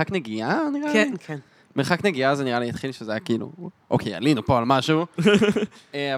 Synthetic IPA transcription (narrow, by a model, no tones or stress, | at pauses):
akneɡianiʁalkn | meχakneɡiazeniʁaliatχilʃezajakiilṵʔokʰeja̰linupo̞almaʃu | ea